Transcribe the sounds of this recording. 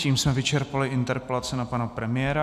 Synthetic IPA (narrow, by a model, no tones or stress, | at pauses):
ciːmsmɛvɪt͡ʃɛɾpalɪʔɪnt̪ɛɾpɛlat͡sɪnapanapɾɛmɪjɛːɾa